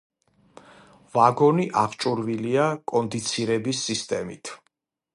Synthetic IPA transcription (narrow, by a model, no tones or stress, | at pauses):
vaɡɔniʔaχt͡ʃʼuɾviliakʼɔnd̪it̪sʰiɾɛbisːist̪ʼɛmḭt̪ʰ